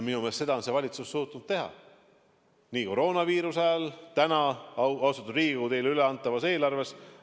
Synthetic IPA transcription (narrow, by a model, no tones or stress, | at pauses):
minumelt̪se̞d̪ɑonse̞vɑlʲit̪susːuːt̪ːˑunud̪t̪̚t̪e̞ɦɑ̰ | niːko̞ɾo̞ːnɑviːɾusɑjɑlt̪ænɑɑsut̪ːˑud̪riːɡ̥ut̪e̞jlyleɑnt̪ːˑɑvɑse̞ːlɑrve̞s